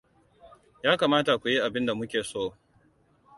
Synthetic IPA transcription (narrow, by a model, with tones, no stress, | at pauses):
jaː˦kaː˨maː˦ta˨kʷu˨ji˦ʔa˨bɪ˦nda˨mʊ˦kʲeː˨soː˦˨